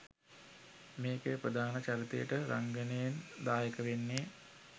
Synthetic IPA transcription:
meːkepɾəd̪ʱaːnət͡ʃaɾit̪ejəʈəɾʔa̰ŋɡənejend̪aːjəkəʋenːe

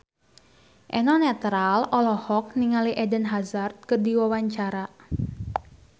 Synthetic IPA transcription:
ʔɛnɔnɛt̪ɾalɔlɔhɔk̚niŋaliʔɛdənɦazart̪̚kərdiwawaɲt͡ʃaɾa

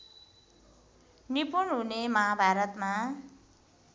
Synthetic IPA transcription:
nipunɦunemʌɦabʱaɾʌt̪ma

